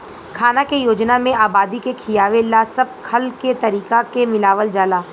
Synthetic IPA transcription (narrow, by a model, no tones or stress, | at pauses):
kʰaːnakejoːd͡ʒnamẽʔaːbaːd̪ikekʰijaːʋelasɐb̚kʰɐlket̪ɐɾiːkakemɪlaːʋəld͡ʒaːlaː